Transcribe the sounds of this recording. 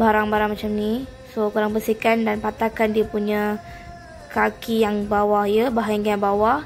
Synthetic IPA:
baɾaŋbaɾaŋmat͡ʃamni | sokuɾaŋbəsikandanpat̪akandiapuɲa | kakijaŋbawahjəbaɦajaŋaŋbawah

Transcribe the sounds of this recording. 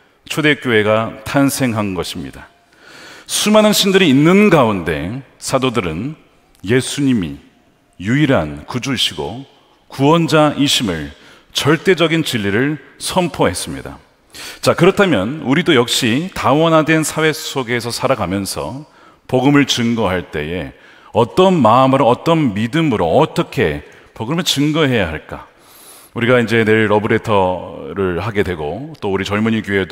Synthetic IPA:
t͡ɕʰode̞k͈joe̞ɡatʰansʰe̞ŋɦanɡʌɕʰimɲḭda | sʰumanɯnɕʰindɯɾiːnːɯnɡaunde̞̰sʰadodɯɾɯn | je̞sʰuɲimḭ | juiɾɦankud͡ʑuɕʰiɡo̰ | kuwʌnd͡ʑaʔiɕʰimɯ̰ɭ | t͡ɕʌɭt͈e̞d͡ʑʌɡint͡ɕiʎːiɾɯɭsʰʌmpʰoɦe̞s͈ɯmɲḭda̰ | t͡ɕakɯɾʌtʰamjʌnuɾidojʌk̚ɕ͈itawʌnɦadwe̞nsʰawe̞s͈oɡe̞sʰʌsʰaɾaɡamjʌnsʰʌ̰ | poɡɯmɯɭt͡ɕɯŋɡʌɦaɭt͈e̞̰je̞ | ʌt͈ʌnmamɯɾoʌt͈ʌnmidɯmɯɾoʌt͈ʌkʰe̞ | poɡɯmɯɭt͡ɕɯŋɡʌɦe̞jaɦaɭk͈a̰ | uɾiɡaind͡ʑe̞ne̞ɭɾʌbɯɾe̞tʰʌɾɯɭɦaɡe̞dwe̞ɡot͈ouɾit͡ɕʌɭmuɲiɡue̞d

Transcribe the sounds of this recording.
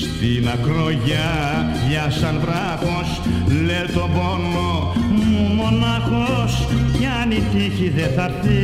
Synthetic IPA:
st̪inɐkloʝɐ | ʝɐsɐnvɾɐxoslet̪obono | mumonɐxoscɐnit̪içiðeθɐɾt̪i

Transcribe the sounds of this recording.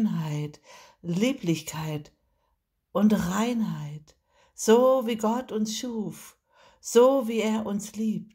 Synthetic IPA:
nɦaɪt | liːplɪçkʰaɪt | ʔʊntʁaɪnɦaɪt | z̥oːviːɡɔtʊnsʃuːf | z̥oːviːeːɐʔʊnsliːp̚t

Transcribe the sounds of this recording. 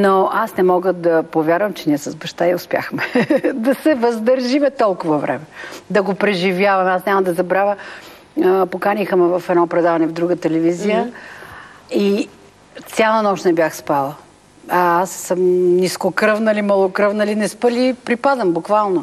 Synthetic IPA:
noʔasnɛmɔɡəd̪ɐpovʲjaɾvɐmt͡ʃɛniɛsɐzbɐʃt̪aiʊspja̰xmɛd̪ɐsɛvɐzd̪əɾʒimɛt̪ɔlˠkʊvɐvɾʔɛ̰mɛd̪ɐɡopɾɛʒivjavɐmasnʲɲʲamɐd̪ɐzɐbɾavʲə | pokanixmɛvɐfɛd̪nɔpɾɛd̪avɐnɛvd̪ɾuɡət̪ɛlɛvizijə | i | t̪sʲalˠənɔʃnɛbʲjaxspalˠə | asːəmniskokɾəvnɐlimɐlˠokɾəvnɐlinɛspəlipɾipazəmbukvalˠno

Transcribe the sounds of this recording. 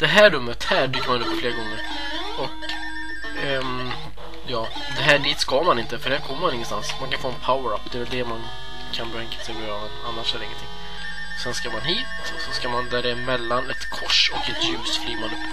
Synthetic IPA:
d̪̥ɛɦæːɾɵmːət̪hæːɖyːkəmanɵpːfleːɾaɡɔŋːəɾ | ɔk | jɑː | d̪ɛɦæːɖiːt̪skamanɪnt̪əfœɖɛhæːɾkʰɔmːəmanɪŋːənst̪ansmankʰanfoːɛnpʰaʊəɾapːd̪ɛvɛld̪ɛman | kʰanbɾɛŋkḁsɛɡeɾɔvɛna̰nːaʂɛd̪ɾɪŋːət̪ʰɪŋː | sɛnskaɾmanɦiːt̪ | ɔsɔskaɾmand̪æɖɛmɛlːanɛt̪kʰɔʂɔkɛt̪jʉːsfliːɾmanɵpː

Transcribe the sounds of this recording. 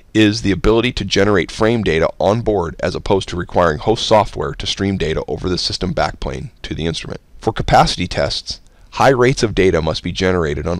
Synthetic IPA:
ɪzðiɨbɪlˠəɾiɾɨd͡ʒɛnə˞eɪtfɹẽɪ̃mdeɪɾə̰ʔə̃nbɔɹɾɨ̰zəpʰoʊz̥tʰəɹɨkʰw̥aɪɹɪ̃ŋhoʊstsɔft̚wɛ̰ɹɾɨstɹ̥ĩmdeɪɾə̰ʔoʊvə˞ðɨsɪstə̃mbæ̰k̚pʰl̥ḛ̃ɪ̃ntʰɨðiɪ̃nstɹ̥ə̰mɨ̰̃ntfə˞kʰəpʰæsɨɾitʰɛ̰sts | haɪɹeɪtsʌvdeɪɾɨmʌst̚b̥id͡ʒɛnə˞eɪɾɨɾn̩

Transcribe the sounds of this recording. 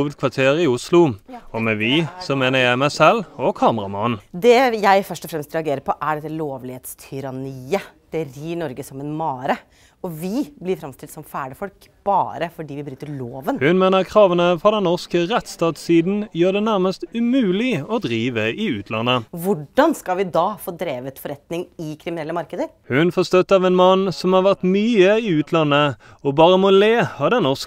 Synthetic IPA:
ʋəd̪̚kʰʋɑʁt̪ʰeːʁɪʊslʊɔmɛʋɪsɔmeːnəjæɪmæɪsɛlɔkʰɑːməʁɑmɑnd̪ɛjæɪfœʂʈɔfɾɛmst̪ɾɛɑɡeːɾəpʰɔʔæɖɛt̪ːəloːʋlɪheːt̪st̪ʰʏɾɑniːəd̪̥ɛɾiːɳɔɾɡəsɔmɛnmɑːɾə | ɔʋɪblɪɾfɾɑmst̪ʰɪlsɔmfæːɖəfɔlk | b̥ɑːɾəfɔɖiːʋɪbɾyːt̪əɭoːʋənhʉnmeːnəʁkʰʁɑːʋənəfɔʁd̪ɛnːɔʁskəʁɛt̪st̪ɑːt̪siːd̪n̩jøːd̪ɛnæʁməst̪ʉmʉːlɪɔd̪ʁiːʋəʔɪʉːt̪ʰlɑ̰nːəʋʊɖɑnskɑʋɪd̪ɑfoːd̪ɾeːʋət̪fɔɾɛt̪nɪŋɪkʰɾɪmɪnɛlːəmɑɾkəd̪əɾ | hʉnfɔʁst̪œt̪ːəɑʋɛːnmɑnːsɔmhɑːʁʋæʁt̪myːəɪʉːt̪ʰlɑnːə | ɔbɑːʁəmɔleːhɑd̪ɛnnɔʁsk

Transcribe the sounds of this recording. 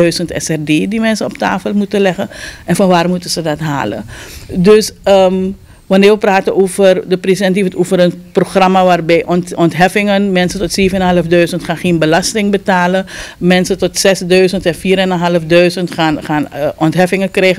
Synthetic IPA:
œɥzəntɛ̰sɛrdeːdimɛnsənɔpta̰ːfəlˠmutəlɛχənʔɛnfɑnʋaːrmutənzədɑtɦa̰ːlə̰døsə | ʋɑnɪːrʋəpraːtənoːvərdəpreːsiɛntivətoːvəɾənproχrɑmaːʋaːrbɛjʔɔnɔntɦɛfɪŋənmɛnsətɔtseːvənənɦɑləfdœɥzəntχaːnχeːnbəlɑstɪŋbətaːləmɛnsətɔtsɛsdœɥzəntɛnfiːɾɛnənɦɑləfdœɥzəntχaːnχaːnʔɔntɦɛfɪŋəkrɛːxə

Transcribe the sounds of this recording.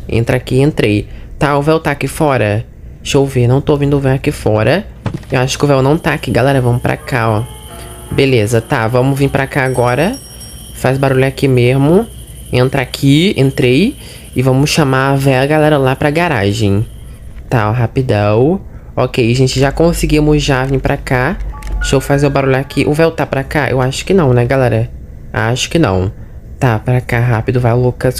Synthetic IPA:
ḛ̃nt̪ɾakiẽnt̪ɾejt̪aʊvɛwt̪aːkifɔɾɐ | ʃowvenɐ̃w̃t̪oovĩd̪ʊvɛwakifɔɾɐ | ewaʃʊ̥kɪʊvɛwnɐ̃w̃t̪aːkiɡalɛɾɐvɐ̃mʊpɾa̰kʰaɔ | belezɐt̪avɐ̃mʊvĩɾpɾakaaɡɔɾɐ | fazbaɾuʎʊakimezmʊ | ẽnt̪ɾakʰiẽnt̪ɾej | ɪvɐ̃mʊsʃãmaavɛɡalɛɾɐlapɾaɡaɾa̰ʒẽj̃ | t̪aɦapid̪ɐ̃w̃ | ɔkejʒẽnt͡ʃɪʒakõsɪɡimʊzʒavĩpɾakaʃowfazewbaɾuʎakʰiʔʊvɛwt̪apɾakaʔḛwaʃʊ̥kɪnɐ̃w̃nɛɡalɛɾɐ | a̰ʃʊ̥kɪnɐ̰̃w̃ | t̪apɾakaɦapɪd̪ʊvajlokɐs

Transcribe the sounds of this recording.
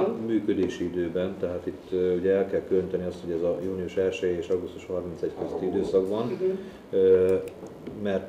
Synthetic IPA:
myːkød̪eːʃiid̪øːbɛnt̪ɛɦaːt̪it̪ːuɟɛɛlkɛlkyøɲit̪ɛniɒst̪ho̞ɟɛzɒjuːniuʃɛlʃejeːʃɒɡust̪uʃhɒrminsɛckøzøt̪ːiid̪øːsɒɡbɒn | mɛrt̪

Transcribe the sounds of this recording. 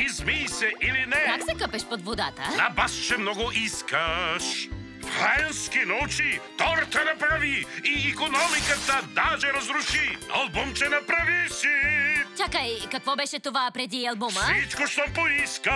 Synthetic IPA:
izmisɛʔilinɛkaksɛkəpɛʃpod̪vod̪a̰t̪ɐ̰abaʃt͡ʃɛmnɔɡoʔiskɐʃ | ɾɛnskinɔut͡ʃit̪ɔɾt̪ɐnapɾaviiːkonɔmikat̪ad̪aʒɛɾɐzɾuʃia̰lˠbumt͡ʃɛnapɾavisit͡ʃakaikakvɔbɛʃɛt̪ovapɾɛd̪iɐlˠbumɐit͡ʃkoʃt̪ɔpoiska

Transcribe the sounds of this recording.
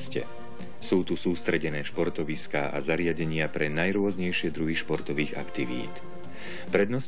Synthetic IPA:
scɛ̰ | suːt̪usuːst̪ɾɛɟɛnɛːʃpɔɾt̪ɔʋiskaːʔa̰zaɾɪaɟɛɲɪapɾɛnajɾʊɔzɲɛjʃɪɛd̪ɾuɦiʃpɔɾt̪ɔʋiːɣa̰kt̪iʋḭːt̪ | pɾɛd̪nɔs

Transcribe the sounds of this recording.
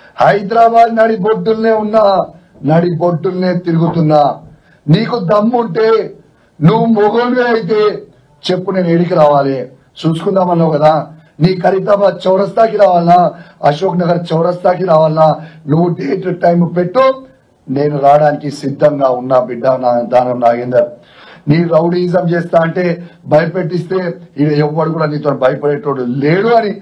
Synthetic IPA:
hɐjd̪ɾaːbaːd̪nɐɽiboɖːulneːunːaː | nɐɽiboɖːulneːt̪iɾuɡut̪unːaː | niːkud̪ɐmːuɳʈe̞ː | nuʋːumɔɡonʋeːɐjit̪̬e̞ː | t͡ʃe̞pːuneːnueːɽik̬iɾaːʋaːle | t͡ʃuːsu̥kund̪aːmɐnːoːkɐd̪aː | niːkɐɾit̪ɐmat͡ʃɐwɾɐst̪aːkiɾaːʋaːlinaːɐʃoːknɐɡɐɾt͡ʃɐwɾɐst̪aːkiɾaːʋaːlnaːnuʋːuɖeːʈɐʈɐjmupe̞ʈːu | ne̞ːnuɾaːɽaːnikisid̪ʱːɐŋɡaːunːaːbiɖːɐnad̪aːnɐmnaːɡind̪ɐɾ | niːɾɐwɽiːzɐmt͡ʃeːst̪aːɐɳʈe̞ːbʱɐjɐpeʈːist̪e̞ːiʋiɛʋːɐɽukuːɽaːniːt̪oːnubʱɐjɐpɐɽeʈːoːɽuleːɽuɐni

